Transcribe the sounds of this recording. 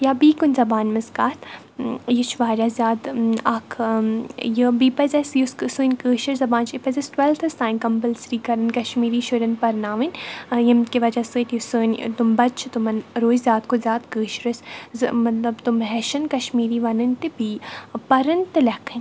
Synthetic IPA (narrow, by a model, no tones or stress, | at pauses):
jaːbiːkʊnʲzɐbaːnmɐzkaːt̪ | jit͡ʃʋaːɾʲazʲaːd̪akʰ | jəbiːpɐzʲɐsjuskɨsuːnkəːʃɐɾzɐbãːnt͡ʃipɐzɐsʈwɛlt̪ʰɐst̪ãːjnkɐmpəlsɾiːkɐɾɐnkɐʃmiːɾiːʃʊɾʲɐnpɐɾnaːʋinjɐmkiʋɐd͡ʒɐsɨtjisɨːnt̪umbɐt͡ʃʰt̪ʊmɐnɾoːzzʲaːt̪kozʲjaːd̪kəːʃɾɐszmɐt̪lɐbt̪umɦɛʃɐnkɐʃmiːɾiːʋɐnɐnt̪ibiːpɐɾɐnt̪ɨlɐkʰɐnʲ